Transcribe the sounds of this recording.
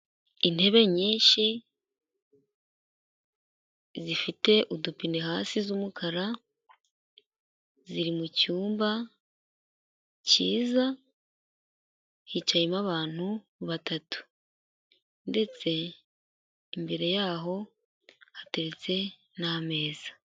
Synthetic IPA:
inhe̞βe̞ɲiːʃi | zifite̞ʔudupineɦaːsizumukʰaɾa | ziɾimucuːmba | ciːza | hit͡ʃajimaβaːn̥hu | βatatu̥ | nde̞t͡se̞ | imbe̞ɾe̞jaːɦo̞ | hateɾet͡se̞ | name̞ːz̥ḁ

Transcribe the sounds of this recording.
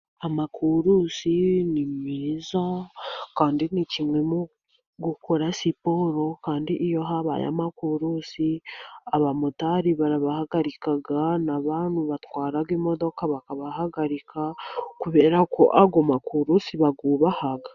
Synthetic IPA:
amakʰuɾusinimmiːzakaːndinicimŋe̞mu | ɡukʰoɾasipo̞ɾo̞kaːndiʔijo̞ɦaβa̰ja̰makuɾuːsiaβamutaɾiβaɾaβahaɡaɾikaɡanaβaːnhuβat̪waːɾaɡimo̞d̪o̞kaβakaβahaɡaɾikʰakuβe̞ːɾakʰo̰ʔaɡomakʰuɾusiβaɡuːβahaɡa

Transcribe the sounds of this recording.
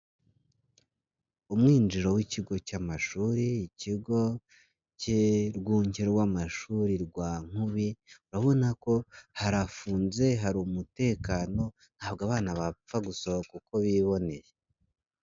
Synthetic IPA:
umŋiːnd͡ʒiɾo̞wiciɡo̞camaʃuːɾiːciɡo̞ | ceɾɡuːɲeɾowamaʃuɾiɾɡwaːŋ̥huβiuɾaβo̞nako̞haɾafuːnze̞ɦaɾumute̞ːkano̞ | n̥haːb̚ɡaβaːnaβap͡faɡusoβokuko̞βiβo̞ne̞je

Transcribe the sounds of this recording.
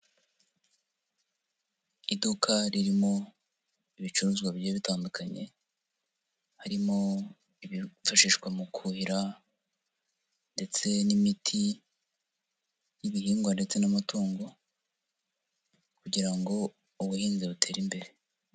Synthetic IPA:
idukʰaɾiɾimo̞ | iβit͡ʃuɾuːzɡwabjeːβitaːndukʰaɲe̞̰ | haɾimo̞ | iβifaʃiːʃkwamukʰuhiɾa | nde̞t͡se̞nimitʰi | jiβihiːŋɡwande̞t͡se̞namatoːŋɡo̞ | kuɟiɾaŋɡo̞ | uβuhiːnziβutʰe̞ːɾimbe̞ɾe̞

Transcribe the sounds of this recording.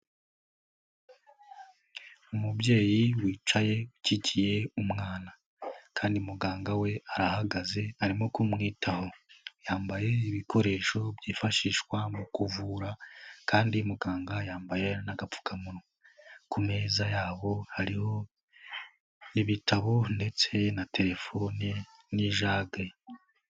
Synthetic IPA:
umubje̞ːjiwiːt͡ʃaje̞ucicije̞umŋaːna | kʰaːndiumuɡaːŋɡawe̞aɾahaɡaze̞aɾimo̞kumŋiːtʰaho̞jaːmbaje̞iβiko̞ɾe̞ːʃo̞bjiːfaʃiːʃkwamukuvuːɾakaːndimuɡaːŋɡajaːmbaje̞naɡap͡fu̥kʰamuno | kume̞ːzajaːβo̞haɾiho̞ | iβitʰaβo̞nde̞t͡se̞natʰe̞ɾe̞fo̞ni | niʒaːɡe

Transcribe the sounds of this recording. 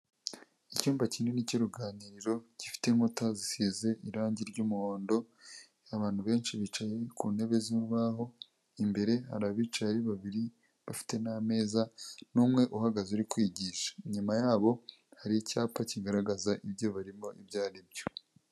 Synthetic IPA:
icuːmbaciːneniciɾuɡaːniɾiɾo̞ci̥fi̥te̞ŋhutazisize̞ʔiɾaːɲɟiɾɟuːmuhoːndo̞ | aβaːn̥huβe̞ːnʃiβit͡ʃaje̞kuːne̞βe̞ziuβaho̞ | imbe̞ɾe̞ha̰ɾaβit͡ʃajaiβaβiɾi | βafi̥te̞name̞ːzanuːmŋe̞ʔuhaɡazuɾikwiːɟiːʃḁɲumajaːβo̞ | haɾiicaːpaciɡaɾaɡazaʔibjo̞βaɾimo̞ʔibɟaːɾib̚jo̞

